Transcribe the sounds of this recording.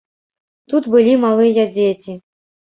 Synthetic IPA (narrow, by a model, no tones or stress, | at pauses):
t̪ut̪bɨlʲimalˠɨjɐd͡zʲet͡sʲi